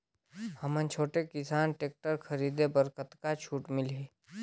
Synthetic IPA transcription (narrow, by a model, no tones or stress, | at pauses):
həmə̃nt͡ʃʰoːʈekɪsaːnʈeːk̚ʈəɾkʰəɾiːd̪ebəɾkət̪kat͡ʃʰuːʈmɪlɦeː